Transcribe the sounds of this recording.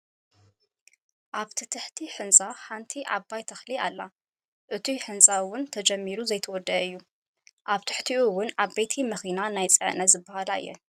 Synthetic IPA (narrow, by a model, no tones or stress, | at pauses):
ʔaβt̪ʰɨt̪ʰɨħt̪ʰiħɨnsʼaħant̪ʰiʔa̰bːajt̪ʰɐxlialːa | ʔɨt̪ʰiħɨnsʼawʊnt̪ʰɐd͡ʒɐmːiɾuzɐjt̪ʰɐwɔd̪ːɐɨjːu | ʔaβt̪ʰɨ̥ħt̪ʰiuwʊnaβbet̪ʰimɐxinanajt͡sʼɨ̰ʕnɐzɨbːɐhala̰ɨ̰jːɛ̰